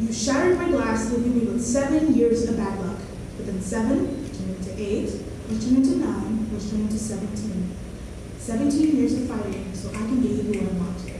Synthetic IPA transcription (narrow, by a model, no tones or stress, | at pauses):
jɨʃæɾə˞d̚maɪɡlæslivɪ̃ŋmiwɨð̥sɛvɨ̃njɪɹzʌbædˡlʌk | wɨθɪ̃nsɛvɨ̃ntʰɨ̃nɪ̃ŋtʰɨʔeɪt | ə˞tʰɨ̃nɪ̃ŋtʰɨnãɪ̃nə̥˞tʰə̃nɪ̃ŋtʰɨsɛvɨ̃ntʰĩn | sɛvɨ̃ntʰĩnjɪɹzʌfaɪvɪ̥̃soʊʔaɪkɨ̃nɡeivəwʌɾãɪmɑ̰̃t